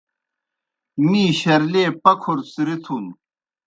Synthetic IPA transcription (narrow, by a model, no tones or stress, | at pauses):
niːɕɐɾleːpɐkʰuɾsiɾit̪ʰun